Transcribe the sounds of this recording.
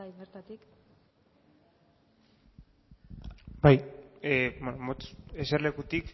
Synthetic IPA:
aiɣeɾt̪at̪ik | baj | bonomot̪eseɾle̞kut̪ik

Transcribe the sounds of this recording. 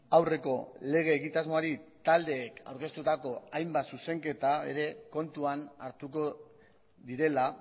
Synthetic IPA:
awre̞ko̞le̞ɣ̞e̞ːɣit̪azmo̞aɾit̪ald̪e̞ːka̰wɾke̞st̪ut̪ako̞ajmbasuse̞ŋke̞t̪ae̞̰ɾe̞ko̞nt̪uanaɾt̪uko̞ | ðiɾe̞la

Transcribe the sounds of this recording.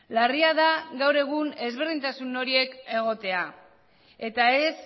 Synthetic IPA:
lariaðaɣawɾe̞ɣ̞une̞zβe̞rðint̪asuno̞ɾie̞ke̞ɣ̞o̞t̪e̞a | e̞t̪ae̞s

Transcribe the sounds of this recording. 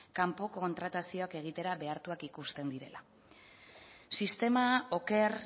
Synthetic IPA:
kampo̞ko̞nt̪ɾat̪asio̞ake̞ɣ̞it̪e̞ɾaβe̞aɾt̪uakikust̪e̞nd̪iɾe̞̰la | sist̪e̞mao̞ke̞ɾ

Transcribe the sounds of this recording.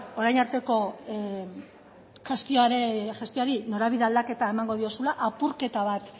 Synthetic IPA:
o̞ɾajnaɾt̪e̞ko̞ | ʝest̪ioɾeʝe̞st̪ioaɾino̞ɾaβiðeald̪ake̞t̪ae̞maŋɡo̞ð̞io̞sulaʔapuɾke̞t̪aβ̞at̪

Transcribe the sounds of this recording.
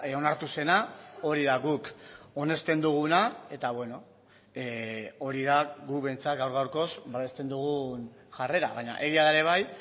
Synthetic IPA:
o̞naɾt̪use̞nao̞ɾiðaɣuko̞ne̞st̪e̞nd̪uɣunae̞t̪aβwe̞no̞ | o̞ɾið̞aɡuβe̞nt͡sat̪ɡawɾɣ̞awɾko̞sbaβe̞st̪e̞nd̪uɣ̞un | ʝare̞ɾa̰βaɲa̰ʔe̞ɣ̞iaðaeɾe̞β̞aj

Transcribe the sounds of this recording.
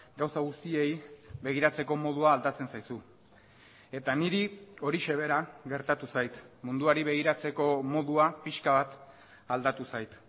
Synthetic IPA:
ɡawsaɣ̞ust̪ie̞jβe̞ɣ̞iɾat͡se̞ko̞mo̞ð̞uaːld̪at͡se̞nsajsu | e̞t̪aniɾio̞ɾiʃe̞β̞e̞ɾaɣe̞ɾt̪at̪usajt̪mund̪uaɾiβe̞ɣ̞iɾat͡se̞ko̞mo̞ðuapiʃkaβat̪ | ald̪at̪usajt̪

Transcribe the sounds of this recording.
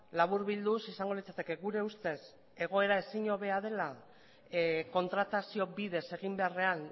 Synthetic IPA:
laβuɾβild̪usisaŋɡolit͡sat̪e̞ke̞ɣuɾe̞ust̪e̞s | e̞ɣ̞o̞e̞ɾae̞siɲo̞βe̞að̞e̞la | ko̞nt̪ɾat̪asio̞βiðe̞se̞ɣimbe̞are̞an

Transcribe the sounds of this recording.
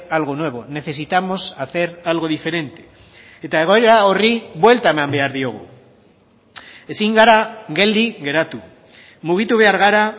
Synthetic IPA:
alɣ̞o̞nwe̞β̞o̞ne̞θe̞sit̪amo̞saθe̞ɾalɣo̞ðife̞ɾe̞nt̪e̞ | et̪ae̞ɣo̞e̞ɾao̞riβwe̞lt̪aemambe̞aɾðio̞ɣ̞ṵ | e̞siŋɡaɾaɣe̞ld̪iɣe̞ɾat̪u | muɣ̞it̪uβ̞e̞aɾɣ̞aɾa

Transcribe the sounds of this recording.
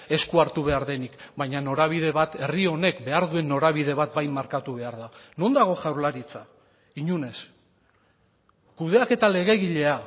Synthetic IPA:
e̞skuaɾt̪uβ̞e̞aɾðe̞nikbajɲano̞ɾaβ̞ið̞e̞βat̪e̞rio̞ne̞kbe̞aɾðue̞nːo̞ɾaβ̞ið̞e̞β̞at̪̚bajmːaɾkat̪uβ̞e̞aɾð̞ano̞nd̪aɣ̞o̞ʝawɾlaɾit͡sa | iɲune̞s | kuð̞e̞ake̞t̪ale̞ɣ̞e̞ɣiʎe̞a

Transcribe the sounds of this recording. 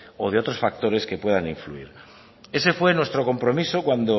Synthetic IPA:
oð̞eo̞t̪ɾosfak̚t̪o̞ɾe̞ske̞pwe̞ð̞aniɱflṵḭɾ | e̞se̞fwe̞nwe̞st̪ɾo̞ko̞mpɾo̞misokwand̪o

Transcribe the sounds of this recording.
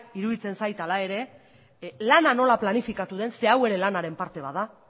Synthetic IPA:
iɾuðit͡se̞nsajt̪alae̞ɾe̞ | lanano̞laplanifikat̪uðe̞nse̞awe̞ɾe̞lanaɾe̞mpaɾt̪e̞β̞a̰ða

